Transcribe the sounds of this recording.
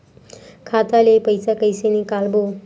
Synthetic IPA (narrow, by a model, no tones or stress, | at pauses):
kʰat̪alepəjsakəjsenekalbo